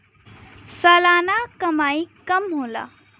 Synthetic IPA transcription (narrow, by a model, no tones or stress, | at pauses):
sʌlanakʌmajkʌmɦolʌ̰